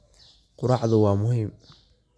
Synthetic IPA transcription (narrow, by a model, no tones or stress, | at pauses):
qʊɾɑːʕðʊwɑːmʊɦiːm